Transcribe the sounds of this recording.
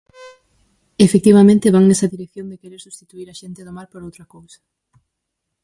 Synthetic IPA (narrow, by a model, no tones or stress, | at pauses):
efek̚t̪iβamẽnt̪eβaŋnesɐðiɾek̚θjõnd̪ekeɾeɾsust̪it̪uiɾɐʃent̪eðomaɾpoɾowt̪ɾɐkowsɐ̥